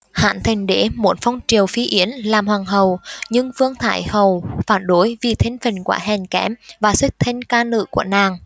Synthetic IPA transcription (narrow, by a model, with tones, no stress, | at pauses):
ha̰ː˧˨nt̪ʰï˨˩ŋ̟ɗḛ˧˥mo˨˥t̚fə˧wŋ͡mt͡ɕi˨˩əwfi˨˦ʔi˨˦ənlaː˨˩mhwaː˨˩ŋɦə˨˩wɲɨ˧ŋfɨ˧əŋt̪ʰa̰ː˧˩jhə˨˩wfaː˧˩nɗo˨˦jvi˨˩t̪ʰe˨˦nfi˨˩nkwa̰ː˧˥ɦɛ˨˩ŋkɛ˧˦˥mvaː˨˩swi˦˥k̚t̪ʰe˧nkaː˧nɨ̰˧˨ku˧˩ənaː˨˩ŋ